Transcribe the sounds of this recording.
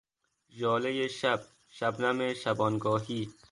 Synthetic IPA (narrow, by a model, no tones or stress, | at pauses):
d͡ʒɔːlejeʃab̚ | ʃabnameʃabɔːnɡɔːɦiː